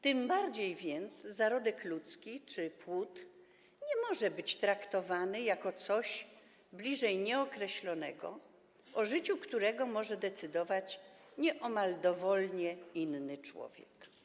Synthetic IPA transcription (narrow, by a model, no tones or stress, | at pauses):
t̪ɘmbaɾd͡ʑejvʲjɛnt̪szaɾɔd̪ɛklut̪skʲit͡ʂɘpwut̪ | ɲɛmɔʐɛbɘt͡ɕt̪ɾakt̪ɔvanɘjakɔt̪sɔɕ | blʲiʐɛjɲɛɔkɾɛɕlɔnɛɡɔ̰ | ɔʐɘt͡ɕukt̪uɾɛɡɔmɔʐɛd̪ɛt̪sɘd̪ɔvat͡ɕɲɛʔɔmald̪ɔvɔlɲɛinːɘt͡ʂwɔ̰vʲjɛk